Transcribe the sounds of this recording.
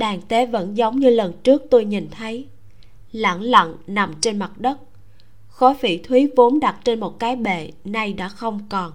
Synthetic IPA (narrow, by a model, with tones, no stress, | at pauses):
ɗaː˨˩ŋt̪e˨˦və̰˧˥nzə˨˦wŋ͡mɲɨ˧lə˨˩nt͡ɕɨ˦˥ək̚t̪o˧jɲi˨˩nt̪ʰə˨˦j | lə̰˧˥ŋlə̰˧˨ŋna˨˩mt͡ɕe˧nma˨˩t̚ɗə˦˥t̚ | xɔ˨˦fḭ˧˩˨t̪ʰwi˨˦vo˨˦nɗa˨˩t̚t͡ɕe˧nmo˨˩t̚kaː˨˦jɓḛ˧˨na˧jɗa̰ː˧˥xə˧wŋ͡mkɔ˨˩n